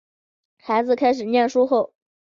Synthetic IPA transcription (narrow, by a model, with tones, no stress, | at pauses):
xa˧˥ɪd͡zɹ̩˧kʰa˥ɪʂ̬ɻ̩˨˩njɛ˥˩nʂu˥xo˥˩ʊ